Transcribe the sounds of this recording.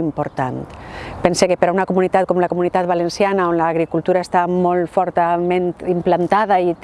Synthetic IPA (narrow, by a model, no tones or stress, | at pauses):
impoɾt̪ant̪pensekepeɾaunakomunit̪at̪̚komlakomunit̪at̪̚βalensjanaonlaːɣɾikult̪uɾaest̪amolˠfɔɾt̪amẽnt̪implant̪að̞ait̪